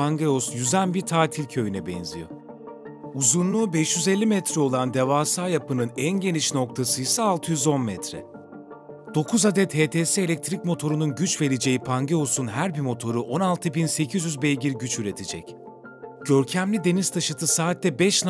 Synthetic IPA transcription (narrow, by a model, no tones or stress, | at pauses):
aŋɟeosjyzænbiɾt̪ʰaːt̪ʰilʲcʰø̞jynɛbɛ̰nzijo̰ | uzunlˠuːbɛʃjyzelʲːimɛt̪ɾɛo̞lˠand̪evaːsaːjapɯnɯnænɟe̞niʃno̞k̚t̪ʰasɯjsaːlˠt̪ʰɯjyzo̞nmɛt̪ɾɛ̰ | d̪̥o̞kʰuzad̪ɛt̪heːt̪ʰeːsɛelʲɛc̚t̪ʰɾic̚mo̞t̪ʰo̞ɾununɟyt͡ʃve̞ɾid͡ʒe̞jipʰaŋɟeo̞sunɦæɾbimo̞t̪ʰo̞ɾuʔo̞nalˠt̪ʰɯbinse̞cʰizjyzbejɟiɾɟyt͡ʃyɾe̞t̪ʰed͡ʒɛc | ɟ̥ø̞ɾcʰæmlʲid̪e̞niz̥t̪ʰaʃɯt̪ʰɯsaːt̪ːɛbɛʃn